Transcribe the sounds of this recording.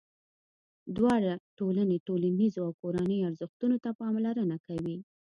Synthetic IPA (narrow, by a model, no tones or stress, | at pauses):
d̪wɑɽaʈolaneʈolanizoawkoɾanəjaɾzəxt̪unot̪apɑmlaɾənakawi